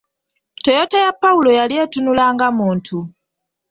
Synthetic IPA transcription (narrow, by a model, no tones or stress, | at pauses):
tojotajapːaulojaljetunulaːŋɡamuːntʰu